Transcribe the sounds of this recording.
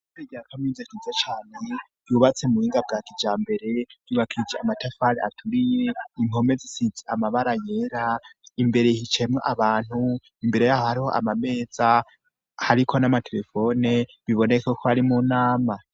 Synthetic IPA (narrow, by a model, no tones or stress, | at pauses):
uteɟeɾakamŋizekizet͡ʃaːne | jjuβat͡semuhiːŋɡab̚ɡaːkid͡ʒaːmbe̞ɾe̞j̥uːβakʰid͡ʒeamatafaɾea̰tʰuɾije̞imo̞me̞zisit͡siamaβaɾaje̞ɾaimbe̞ɾe̞hit͡ʃemŋeʔaβaːn̥hu | imbe̞ɾe̞jahohaɾiho̰ʔa̰mame̞ːza | haɾikʰo̞namatʰe̞ɾe̞fo̞ne̞βiβo̞ne̞kokʰoaɾimunaːma